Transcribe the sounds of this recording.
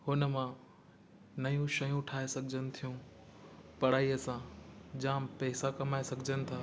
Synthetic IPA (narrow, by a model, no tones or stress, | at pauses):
hʊnəmã | nɐjũʃɐjũʈʰaːesɐɡʱd͡ʑənɪ̆t̪ʰijũ | pɐɽaːiɐsãd͡ʑaːmpɛːsakɐmaːesɐɡʱɪd͡ʑənɪ̆t̪ʰaː